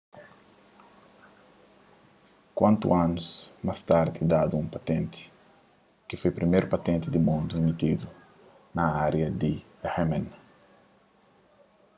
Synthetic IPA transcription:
kwãnt̪ṵanusmast̪aɾd̪id̪ad̪uũmpat̪ɛ̃nt̪i̥ | kifojpɾimeɾpɐt̪ɛ̃nt̪id̪imũnd̪uimit̪id̪u | nɐaɾjɐd̪i | hɛmɛ̃n

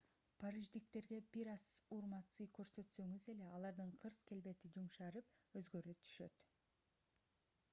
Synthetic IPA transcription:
pʰaɾiʒd̪ik̚t̪e̞ɾɡe̞biɾɑsuɾmɑt̪sɯjkø̞ɾsø̞t̪sø̞ŋyze̞le̞ɑlˠɑɾd̪ɯɴqʰɯɾske̞lbe̞t̪id͡ʒumʃɑɾɯp̚ø̞zɡø̞ɾøt̪ʰy̥ʃø̞̰t̪

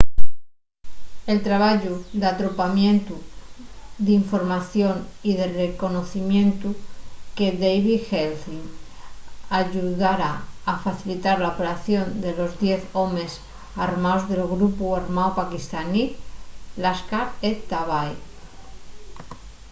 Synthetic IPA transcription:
e̞lt̪ɾaβaʝud̪at̪ɾo̞pamjẽ̞nt̪u | d̪iɱfo̞ɾmaθjo̞nið̞e̞reko̞no̞θimjẽ̞nt̪uke̞ðejβixelθiŋ | aʝuðaɾaːfaθilit̪aɾlaopeɾaθjo̞nd̪e̞lo̞zðje̞θo̞mes | aɾmaozðe̞lɣɾupuaɾmaopakist̪ani | laskaɾet̪aβaj

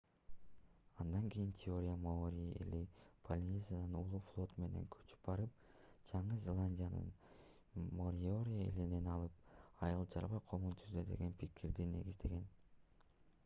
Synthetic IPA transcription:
ɑnd̪ɑŋkijint̪ʲʰɪo̞ɾʲijamooɾʲiḛlipʰolʲnʲezʲanɯnulˠuːflˠo̞t̪me̞ne̞̰ŋkʰø̥t͡ʃy̥p̚bɑɾɯp̚ | d͡ʒɑɴɯzʲelˠanʲdʲijanɯ̰n | moɾʲoɾʲiḛline̞nɑlˠɯp̚ɑjɯlˠd͡ʒɑɾβɑqʰo̞munt̪ʰyzd̪ød̪e̞̰ɡe̞npikʰiɾd̪ine̞̰ɡizd̪e̞ɡe̞n

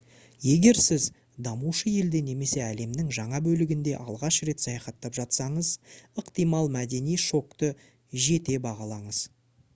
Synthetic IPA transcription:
je̞ɡʲe̞ɾsɪz | d̪ɑmuʃəje̞ld̪e̞ne̞me̞se̞æle̞mnɪŋʒɑɴɑbɵlɪɡʲɪnd̪e̞ʔɑlˠʁɑʃɾe̞t̪sɑjɑχɑt̪ːɑpʒɑt̪sɑɴəzəqt̪ijmɑlˠmæd̪e̞nijʃo̞kt̪ə | ʒe̞t̪e̞bɑʁɑlˠɑɴəz̥

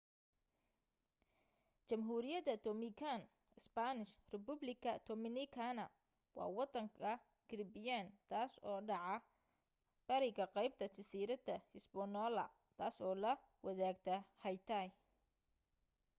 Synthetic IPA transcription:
t͡ʃɐmɦuːɾɪjɐðɐd̪ɔmɪkʰan | ɪsbanɪʃrɛbʊblɪkʰɐd̪̥ɔmɪnɪkʰanɐ | wɑ̰ːwɑd̪ɐŋkʰɐ | ɡ̥ɪɾbɪjant̪ʰaːsɔːɖɑʕɑ | b̥ɐɾɪɣɐqɑjb̚t̪ʰɐt͡ʃɪsiːɾɐd̪ɐhɪsbɔnɔlɐ̰ | t̪ʰaːsɔːlɐ | wɐðaːɡt̪ʰɐhɐjt̪ʰaj

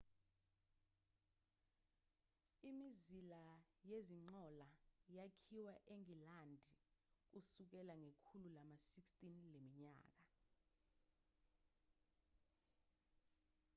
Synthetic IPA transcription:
imizilajeziŋ͡ǀɔlajakʰiwaʔeŋilandʱik̬usuk̬ɛlaŋekʰululamasikstʼinlemiɲa̰ːk̬a

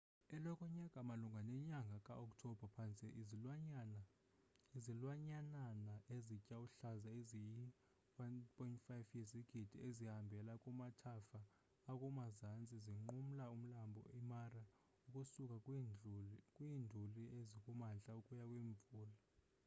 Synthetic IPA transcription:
ɛlɔkʼɔɲakʼamaluŋɡʱanɛɲaŋɡʱakʼaɔk̚tʰɔb̥ʱapʰant͡sʼiʔz | izilwaɲananaʔezicʼauɬazaezij | wanpʰʼɔjntfajfjɛziɡ̥ʱid̥ʱiezihambʱɛlakʼumatʰafaː | kʼumazant͡sʼiziŋ͡ǃum̩laum̩lambʱɔ̰imara | ukʼusukʼa | kʼwindʱuliezikʼumant͡ɬʼaukʼujakʼwiːɱb̪vuːla

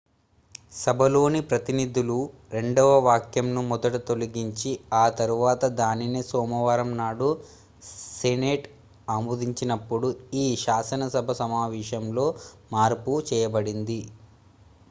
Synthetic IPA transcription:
sɐbʱɐlo̞ːnipɾɐt̪inid̪ʱulu | ɾe̞ɳɖɔʋɐʋaːkjɐmnumɔd̪ɐʈut̪o̞liɡiɲt͡ʃiaːt̪ɐɾuʋaːt̪ɐd̪aːnineːsɔːmɐʋaːɾɐmnaːɽu | seneːʈ | aːmuːd̪iɲt͡ʃinɐpːuɽuiːʃaːsɐnɐsɐbʱɐsɐmaːʋiːʃɐmlo̞ːmaːɾput͡ʃɛːjɐbɐɽind̪i

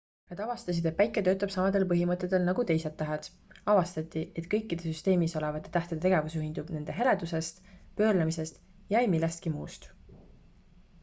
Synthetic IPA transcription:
nɑd̪̥ɑvɑst̪ɑsid̪epæjkːˑet̪ø̞ːt̪ːˑɑb̥sɑmɑd̪̥e̞lpɤɦimɤt̪ːˑe̞t̪ˑːe̞lnɑɡ̥ut̪e̞jse̞t̪ːæɦed̪̥ | ɑvɑst̪ɑt̪ːˑie̞t̪kɤ̞jkːid̪esyst̪e̞ːmiso̞levɑt̪ːˑet̪æht̪ed̪et̪eɡe̞vusuhind̪ub̥ne̞nd̪̥e̞ɦe̞le̞d̪̥use̞st̪pø̞ːrlemise̞st̪ | jɑjmilːest̪kimuːst̪

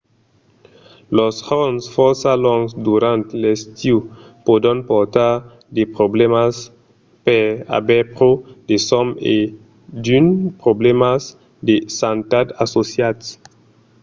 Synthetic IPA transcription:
loshonsfɔɾsalɔ̃ŋsd̪uɾãnt̪lest̪iu | pod̪ãnpoɾt̪aɾ | d̪epɾoblemas | peɾa̰bɛpɾod̪esɔme | d̪ynpɾoblemas | d̪esant̪ad̪asosjad̪s

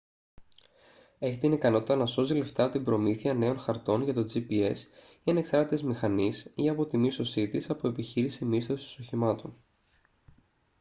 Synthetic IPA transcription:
e̞çit̪inikɐno̞t̪it̪ɐnɐso̞zile̞ft̪ɐpot̪imbɾo̞miθiɐne̞o̞nxɐɾt̪o̞nʝɐt̪o̞d͡zipie̞s | iɐne̞ksɐɾt̪t̪ezmixɐnisiɐpo̞t̪imist̪o̞sit̪isɐpoe̞piçiɾisimist̪o̞si̥st̪o̥so̞çimɐt̪o̞n

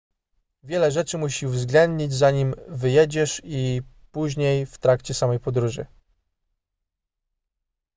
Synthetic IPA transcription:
vʲjɛlɛʐɛt͡ʂɘmuɕiuvzɡlɛnd̪ɲid͡ʑzaɲimvɘjɛd͡ʑɛʂipuʑɲejft̪ɾakt͡ɕɛsamɛjpɔd̪ɾuʐɘ̰

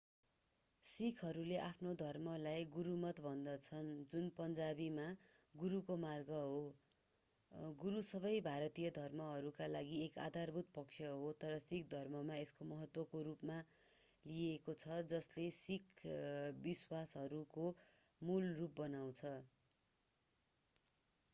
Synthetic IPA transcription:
sikʰɦʌɾuleʔapʰnod̪ʱʌrmʌlajɡuɾumʌt̪bʱʌnd̪ʌt͡sʰʌnd͡zunpʌnd͡zabimaɡuɾukomarɡʌɦo | ɡuɾusʌbʌjbʱaɾʌt̪ijʌd̪ʱʌrmʌɦʌɾukalaɡieka̰d̪ʱarbʱut̪̚pʌksʰjʌɦot̪ʌɾʌsik̚ʰd̪ʱʌrmʌmaeskomʌɦʌt̪wʌkoɾupma | liekot͡sʰʌd͡zʌslesikʰ | biswasɦʌɾuko | mulrup̚bʌnaw̃t͡sʰʌ

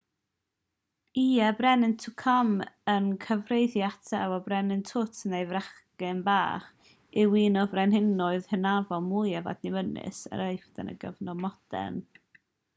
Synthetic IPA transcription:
iːɛbrɛnɪntʰukʰɔmənkʰəvrejðjatʰɛwɔbrɛnɪntʰʊtʰnejvraχkɪnba̰ːχ | ɪwiːnɔvrɛnhɪnʊɨð̥hənavɔlˠmuːjɛva̰dnimənɪ̰sə̰ɾəɨfd̥a̰nə̰ɡə̰vnɔmɔd̥ɛ̰n

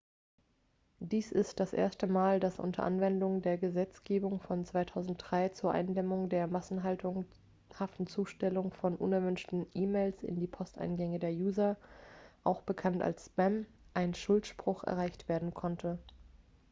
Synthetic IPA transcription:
d̥iːsɪstd̥asʔḛːɐstəmaːldasʔʊ̰ntʰɐ̰ʔa̰nvɛndʊŋdeːɐɡəzɛt͡sɡ̥eːbʊŋfɔnt͡sv̥aɪtʰaʊzn̩t̚d̥ʁaɪt͡suːɐʔa̰ɪndɛmʊŋdeːɐmasn̩ɦaltʊŋ | haftn̩t͡suːʃtɛlʊŋfɔnʔʊnɛɐvʏnʃtn̩ʔiːmeɪlsɪ̰ndiːpʰɔstʔa̰ɪnɡɛŋədeːɐjuːzɐ | ʔaʊxb̥əkʰanta̰lsːpɛm | ʔaɪnʃʊltʃpʁ̥ʊxʔɛ̰ɐʁaɪçtv̥eːɐdn̩kʰɔntʰə

